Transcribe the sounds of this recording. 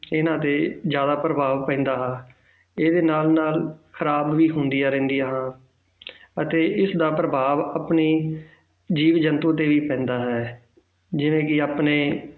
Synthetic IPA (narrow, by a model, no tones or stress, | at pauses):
ɪnãːt̪eːd͡ʒjaːd̪aːpɾəbʱaːʋpɛ̃ːnd̪aːɦãː | eːd̪eːnaːlnaːlkʰəɾaːbʋiːɦʊnd̪iːaːɾɛ̃ːnd̪ijaːɦãː | ət̪eːʔɪsd̪aːpɾəbaːʋaːpniː | d͡ʒiːʋd͡ʒənt̪ũːt̪̬eːʋiːpɛ̃ːnd̪aːɦɛː | d͡ʒɪʋẽːkɪaːpneː